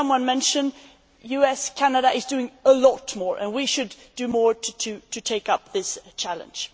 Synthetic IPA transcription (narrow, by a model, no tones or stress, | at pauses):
ʌ̃mwʌ̃nmɛ̃nʃɨ̃n | jʉɛskʰænəɾəʔɪzdʉɪ̃ŋəlɔtmɔɹʔɨ̰̃nwiʃɨd | ɨmɔɹɾtʰɨɾɨtʰeɪkʌp̚ðɪst͡ʃʰælˠə̰̃n̥ʒ̥